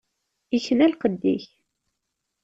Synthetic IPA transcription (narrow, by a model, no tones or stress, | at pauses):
içənælqəd̪ːḭç